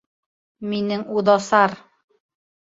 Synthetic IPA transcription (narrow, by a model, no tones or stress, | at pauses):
minɘŋuðɑsɑɾ